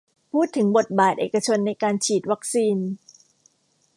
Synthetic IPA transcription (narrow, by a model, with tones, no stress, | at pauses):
pʰuː˥˩t̪ʰːɯ˩˦ŋbo˨˩t̪̚baː˨˩t̪̚ʔḛː˨˩ka˧t͡ɕʰo˧nːa˧jkaː˧nt͡ɕʰiː˨˩t̪̚wa˦˥k̚siː˧n